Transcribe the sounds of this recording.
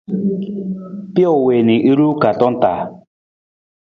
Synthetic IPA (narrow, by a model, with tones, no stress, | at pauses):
pi˦o˨we˨ni˨ʔi˦ɾu˦ka˨tɔ˦n̩˦ta˨